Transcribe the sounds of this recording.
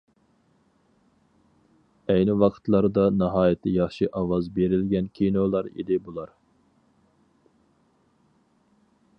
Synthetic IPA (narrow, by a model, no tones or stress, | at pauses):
ɛjnɪwɑqʰə̥t̪lˠɑɾd̪ɑnɑɦɑːjɪt̪ʰːɪjɑχʃiʔɑwɑzbeɾɪlɡʲɛnkʲʰinolˠɑɾḭd̪ɪbulˠɑɾ